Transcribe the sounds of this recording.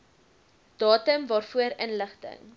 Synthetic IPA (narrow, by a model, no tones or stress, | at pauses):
d̥ɑːtəmvɑːrfuəɾənləχtə̰ŋ